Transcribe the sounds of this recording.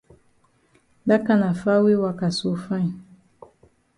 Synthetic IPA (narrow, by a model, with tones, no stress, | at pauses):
da˦ka˦na˨fa˦we˦wa˨ka˨so˦fã˦ɲ˨